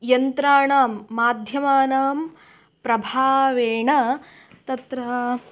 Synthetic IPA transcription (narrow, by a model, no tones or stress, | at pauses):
jɐnt̪ɾaːɳaːmːaːd̪ʱjɐmaːnaːm | pɾɐbʱaːʋeːɳɐ | t̪ɐt̪ɾɐɦɐ